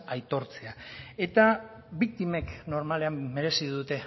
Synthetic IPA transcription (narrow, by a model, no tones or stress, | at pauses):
ajt̪o̞ɾt͡se̞ae̞t̪a | bik̚t̪ime̞kno̞ɾmale̞amːe̞ɾe̞siðut̪e̞